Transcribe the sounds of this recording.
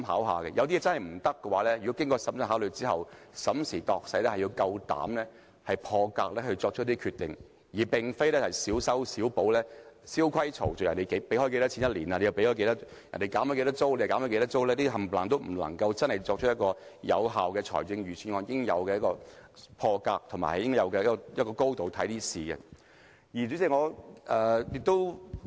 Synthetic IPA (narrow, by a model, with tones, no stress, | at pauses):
ɦa̰ː˨˥wɦa̰ː˨kɛ˧jɐ˨˧wt̪i˥jɛː˧˥t͡sɐ˥nhɐ˨jm̩˨˩t̪ɐ˥kːɛ˧waː˨˥lɛː˥jy˨kɔ˨˥kɪ˥ŋkɔː˧sɐ˨˥msə˧˥aː˨˥wlɵ˨˧t͡siː˥hɐ̰˨w | sɐ˨˥msiː˨˩t̪ɔː˧k̚sɐ˨˥jlɛ˥hɐ˨ji˧wkɐ˧wt̪a̰ː˨˥mlɛː˥ | hɐ˨jpʰɔː˧kaː˧k̚lɛː˥hɵ˧t͡sɔː˧k̚t͡ʃʰt̚t̪iː˥kʰyː˧t̪ːɪ˨ŋ | jiː˨˩pɪ˨ŋfe˥jlɛː˥hɐ˨˩jsiː˨˥wsɐ˥wsiː˨˥wpo˨˥wlɛː˥siː˥wkʷʰɐ˥jt͡sʰo̰˨˩wt͡sɔ˨˩jɐ˨nt̪e˨˩jke˨˧˥jpe˨˥jhɔ˧˥jke˧t̪ɐ˥t͡sʰi˧˥njɐ˥t̚liː˨˩na˧e˧jɐ˨˩pe˥hɔː˧˥ke˧t̪ɐ˥ | jɐ̰˨nt̪e˨˩kaː˨˥mhɔ˧˥ke˧jt̪ɐ˥t͡so˥wle˧jkaː˨˥hɔ˧˥ke˧t̪ɐ˥t͡so˥wlɛː˥t̪iː˥ɦɐ˨˩mplaː˨ŋt̪o˥wm̩˨˩lɐ̰˨˩ŋkɐ˧wt͡sɐ˥nhɐ˨jt͡sɔː˧k̚t͡ʃ̚ʰjɐ˥tkɔː˧jɐ̰˨˧wɦaː˨wkɛː˧t͡sʰɔ̰ː˨˩jt͡sɪ˧ŋjyː˨˩sʰyː˨˩nŋɔː˨˧˥jɪ˥ŋjɐ̰˨˧wkɛː˧jɐ˥kɔː˧pʰɔː˧kaː˧k̚t̪ʰʊ˨˩ŋma̰ː˨˩hɐ˨jɪ˥ŋkɔː˥jɐ˨˧wkɛ˧jkːɔ˧jɐ˥tkɔː˧ko˥wt̪o˨wt̪ʰɐ˨˥jt̪iː˥siː˨ɡɛ̰˧ | jiː˨˩t͡syː˨˥siː˧˩ŋɔː˨˧ʔɛː˨jɪ˧k̚t̪o˥w